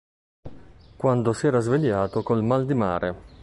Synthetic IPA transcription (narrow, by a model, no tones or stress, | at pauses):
kwand̪osiɛːɾazveʎːaːt̪okolmald̪imaːɾʔe